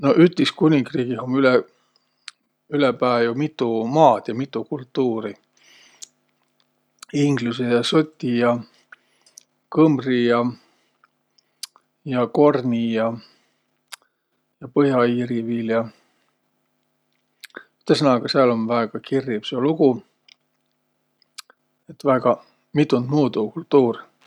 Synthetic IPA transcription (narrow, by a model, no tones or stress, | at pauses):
no̞ʔyt̪ːiskunʲiŋɡriːɡ̥iɦomylɛ | ylɛpæːjumit̪ːˑumɑːd̪̥jɑmit̪ːˑukult̪ːˑuːɾi | iŋɡlusejɑsot̪ʲːijɑ | kɤmrijɑ | jɑko̞rnʲijɑ | jɑpɤɦjɑiːɾiviljɑ | yt̪ːˑesɤnɑɡ̥ɑseɑlo̞nvæeɡ̥ɑkirːib̥seluɡ̥u | et̪ːvæeɡ̥ɑ | mit̪ːˑund̪muːd̪ukult̪ːuːr